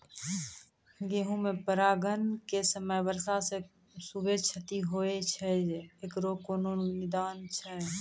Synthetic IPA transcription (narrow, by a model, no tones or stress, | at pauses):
ɡeːɦũmẽpəɾaːɡənkesəməjbəɾsase | subet͡ʃʰət̪iɦoːet͡ʃʰɛekɾoːkoːnoːnɪd̪aːnt͡ʃʰɛ